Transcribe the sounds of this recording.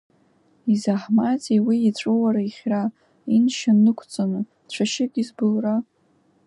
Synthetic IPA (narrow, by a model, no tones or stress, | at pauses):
izaħmat͡sʼiwiːt͡ɕʷʼowaɾaiχʲra | inʃanːɨkʷʰt͡sʼanɨ | t͡ɕʷʰaʃɪɡʲizbɨlra